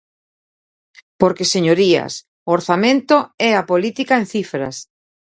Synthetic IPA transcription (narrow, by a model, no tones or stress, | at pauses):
poɾkeseɲoɾiɐ̰s | ooɾθamẽnt̪oɛapolit̪ikaẽnθifɾɐ̰s